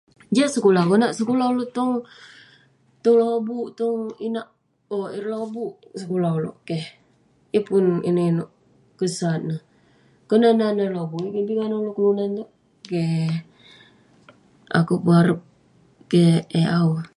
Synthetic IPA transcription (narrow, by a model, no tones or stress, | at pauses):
d͡ʒasəkulakonaʔsəkulaloʔt̪ɔŋ | t̪ɔŋlobuʔt̪ɔŋinaʔ | oiɾlabuʔsəkulaulo̰ʔkeh | epuninoʔinoʔ | kəsat̪̚nə | kənananəlobuikepiŋanalokəlunant̪oʔ | ke | a̰kupəaɾəp̚ | keeau